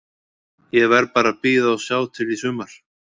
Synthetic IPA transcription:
jɛɣvɛɾpaːɾapiːðaɔsjaːwt̪ʰɪlisʏːmaɾ̥

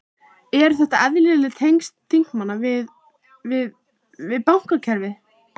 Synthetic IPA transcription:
ɛɾ̥θɛht̪aɛðlɪlɪt̪ʰejŋst̪ʰːiŋ̥kmanːavɪð | vɪð | vɪðpawŋ̥kacʰɛɾvɪ

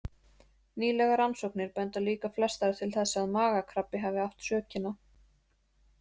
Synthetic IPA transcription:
niːlɛɣaɾansowknɪɾpɛnt̪aliːkaflɛst̪aɾt̪ʰɪlθɛsːaaðmaːɣakʰɾapːɪɦaːvɪaft̪sœːcɪna

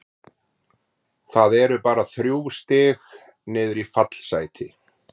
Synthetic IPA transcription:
θaðɛɾʏpaːɾaθɾjuːwst̪ɪːx | nɪːðʏɾifat̪l̥saːjt̪ʰɪ

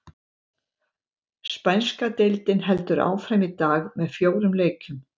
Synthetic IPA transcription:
spajnskat̪ejlt̪ɪnɦɛlt̪ʏɾa̰ːwfɾamɪt̪aːɣmɛðfjoːwɾʏmleːjcʰʏm

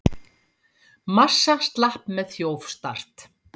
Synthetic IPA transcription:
masːast̪lahpmɛðθjoːwfst̪ar̥t̪

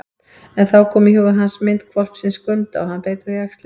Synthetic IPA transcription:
ɛnθawkʰɔːmihʏɣʏɦansmɪnt̪kʰvɔl̥psɪnskʏnt̪a̰ɔhanːpeːjt̪ʏɣaxst̪l

